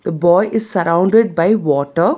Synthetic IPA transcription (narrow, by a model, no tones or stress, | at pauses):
d̪̥əbɔːɪʔɪzsɐɾãʊ̃ɳɖɪɖ̚baɪʋɔːʈəɾ